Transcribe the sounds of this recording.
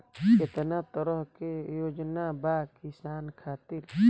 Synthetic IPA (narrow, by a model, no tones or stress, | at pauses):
ket̪nat̪əɾəɦkejoːd͡ʒnabaːkɪsaːnkʰaːt̪ɪɾ